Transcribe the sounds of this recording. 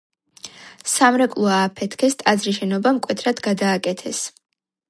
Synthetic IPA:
samɾɛkʼlˠuaːpʰɛt̪ʰkʰɛst̪ʼad̪zɾiʃɛnɔbamkʼwɛt̪ʰɾad̪ɡad̪aːkʼɛt̪ʰɛs

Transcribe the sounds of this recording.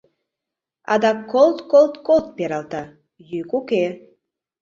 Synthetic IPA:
ɑ̰d̪ɑkːolt̪kolˠt̪kolt̪̚peɾɑlˠt̪ɑ | jykuke

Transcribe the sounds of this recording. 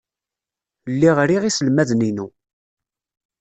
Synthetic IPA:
lːiʁɾiʁisəlmæðninu

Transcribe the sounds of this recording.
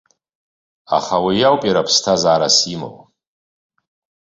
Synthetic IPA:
a̰χawijawpʼiɾapʰstʰazaːɾasimo̰wʼ

